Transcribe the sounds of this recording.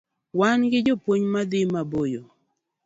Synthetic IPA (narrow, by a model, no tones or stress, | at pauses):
wanɡɪd͡ʒopwoɲmad̪ɪmabojo